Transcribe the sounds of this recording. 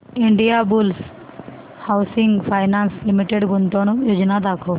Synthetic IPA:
iɳɖijabuls | hawsiŋɡpʰajnanslimiʈeɖɡunt̪ɔɽ̃jod͡ʒnad̪akʰɔ

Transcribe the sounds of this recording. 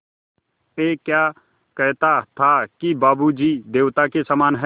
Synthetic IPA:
eːkja | kəɦt̪at̪ʰakibaːbud͡ʒid̪eːwt̪akesamaːnɦɛ

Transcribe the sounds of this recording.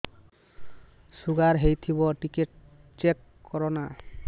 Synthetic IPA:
suɡaɾɦejt̪ʰibɔʈikeʈ̚ | t͡ʃekːɔɾɔna

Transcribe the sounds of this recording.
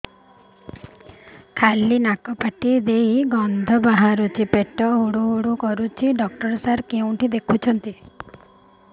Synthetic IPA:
kʰalinakɔpaʈid̪ejɡɔnd̪ʱɔbaɦaɾut͡ʃʰipeʈɔɦoɽuɦoɽukɔɾut͡ʃʰiɖɔk̚ʈɔɾsaɾkeũʈʰid̪ekʰut͡ʃʰɔnt̪i

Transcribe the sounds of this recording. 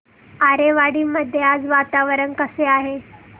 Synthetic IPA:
aɾeʋaɽiːməd̪ʱjead͡zʋat̪aʋəɾənkəseaɦe

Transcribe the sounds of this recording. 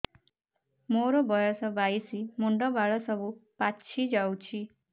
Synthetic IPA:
moɾɔbɔjɔsɔbajsimoɳɖɔbaɭɔsɔbupat͡ʃʰʃʰid͡ʒawt͡ʃʰi

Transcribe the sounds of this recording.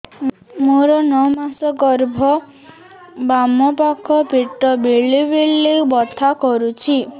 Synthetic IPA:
moɾɔnɔmasɔɡɔɾbʱɔ | bamɔpakʰɔpiʈːɔbeɭibiɭeubɔt̪ʰakɔɾut͡ʃʰi

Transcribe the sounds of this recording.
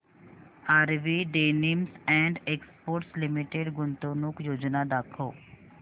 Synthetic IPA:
aːɾʋiɖeːnimsɛ̃ːɳɖeːkspoːɾʈslɪmɪʈeɖɡʊnt̪oːnʊkjoːd͡ʒnad̪aːkʰoː

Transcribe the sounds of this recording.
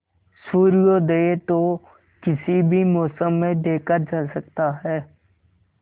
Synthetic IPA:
suːɾijod̪eːet̪o | kɪsibʱimɔːsəmːẽɖʱeːkəɾd͡ʒaːsək̚t̪aɦɛː

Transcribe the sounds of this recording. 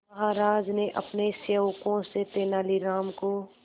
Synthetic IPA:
ɐɦaːɾaːd͡ʒneʔɐpneseʋkõset̪eːnaːliɾaːmko

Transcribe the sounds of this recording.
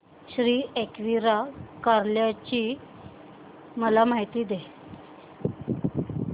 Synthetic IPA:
ɕɾiːekʋiɾakaɾljat͡ɕiː | məlamaɦit̪iːd̪e

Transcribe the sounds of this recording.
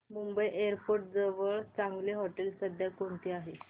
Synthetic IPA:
mumbəjʔeəɾpoɾʈ̚d͡zəʋəɭt͡sãŋɡleɦɔʈelsəd̪jakoɳt̪iːaɦe

